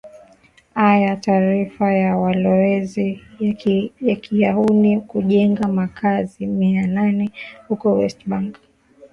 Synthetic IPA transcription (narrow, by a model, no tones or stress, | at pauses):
ajataːɾifajawalɔɛzi | jakijaunikuʄɛŋɡamakʰazimiananɛhukɔwɛstɓaŋɡ